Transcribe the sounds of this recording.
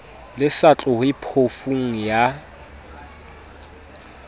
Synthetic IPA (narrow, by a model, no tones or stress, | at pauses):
lɪsat͡ɬʼʊhɪpʰofuŋ̩ja